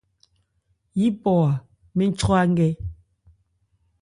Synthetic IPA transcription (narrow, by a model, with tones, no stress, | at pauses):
ji˦pɔ˨a˨ | me˦n̩˦t͡ʃɔ˦a˦ŋ˦ɡɛ˦